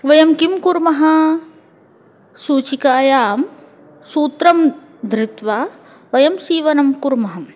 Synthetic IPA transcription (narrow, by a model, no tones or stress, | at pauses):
ʋɐjɐmkimkuɾmɐɦɐ | suːt͡ʃikaːjaːm | suːt̪ɾɐm | d̪ʱɾɪt̪ʋaː | ʋɐjɐmsiːʋɐnɐmkuɾmɐɦɐm